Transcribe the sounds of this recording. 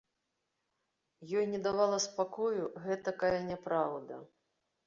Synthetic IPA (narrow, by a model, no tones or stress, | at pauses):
jɔjnʲɛd̪avalˠɐspakɔjuɣɛt̪ɐkajɐnʲɛpɾawd̪ɐ̰